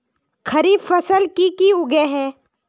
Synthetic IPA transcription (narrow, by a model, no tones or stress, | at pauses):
kʰɐɾiːbfɐsəlkikiʊɡeɦɛː